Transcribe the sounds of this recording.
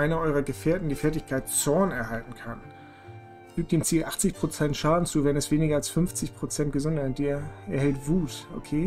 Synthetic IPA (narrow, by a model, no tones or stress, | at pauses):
ʔaɪnɐʔɔʏʁɐɡəfeːɐtn̩diːfɛɐt̬ɪçkʰaɪtt͡sɔɐnɛɐɦaltn̩kʰan | fyːk̚td̥eːmt͡siːlʔaχt͡sɪçpʁ̥ot͡sɛntʃaːdn̩t͡suːvɛnɛsv̥eːnɪɡɐalsfʏnft͡sɪçpʁ̥ot͡sɛnt̚ɡ̥əzʊndɐɪteɛɐhɛltv̥uːsʔo̰kʰeː